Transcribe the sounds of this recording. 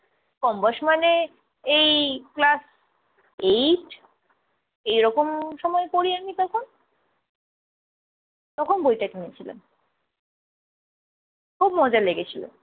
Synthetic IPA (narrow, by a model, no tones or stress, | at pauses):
kɔmbaɾʃmane | ejklas | ejʈ | ejɾɔkomʃɔmɔekoɾiamit̪ɔkʰon | t̪ɔkʰonbojʈakiniet͡ɕʰilḛn | kʰubmɔd͡ʑaleɡet͡ɕʰilo̰